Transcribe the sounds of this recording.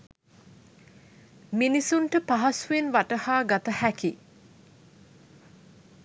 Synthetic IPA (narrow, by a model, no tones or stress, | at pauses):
minisuɳʈəpaɦasuenʋaʈəhaːɡat̪əhæki